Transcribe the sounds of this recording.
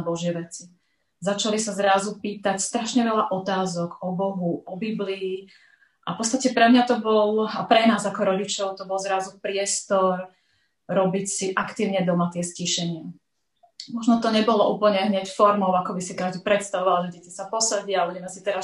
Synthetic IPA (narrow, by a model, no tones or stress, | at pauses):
bɔʒɪɛʋɛt͡si | zat͡ʃalisazɾazupiːt̪acst̪ɾaʃɲɛʋɛʎaʔɔt̪aːzɔɡɔbɔɦuʔɔbibliː | ʔafpɔtt͡st̪acɛpɾɛmɲat̪ɔbɔlapɾɛnaːzakɔɾɔɟit͡ʃɔʊt̪ɔbɔlˠzɾazupɾɪɛst̪ɔɾ | ɾɔbicsiʔakt̪iːʊɲɛd̪ɔmat̪ɪɛsciʃɛɲɪa | mɔʒnɔt̪ɔɲɛbɔlɔʔuːpl̩ɲɛɦɲɛcfɔɾmɔʊakɔbisikaʒd̪ipɾɛt̪st̪aʋɔʋalʒɛɟɛcisapɔsaɟɪabuɟɛmɛsit̪ɛɾa